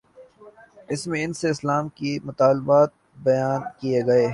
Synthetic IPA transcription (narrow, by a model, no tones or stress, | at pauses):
ɪsmẽɪnseɪslaːmkimʊt̪aːlbaːt̪̚ | bɐjaːnkieɡɐe